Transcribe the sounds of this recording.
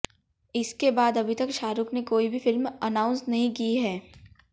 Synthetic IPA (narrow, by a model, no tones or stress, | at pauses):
ɪskebaːd̪ɐbʱit̪ɐkʃaːɾʊknekoːibʱifɪlmɐnãːʊ̃nsnɐɦĩkiɦɛː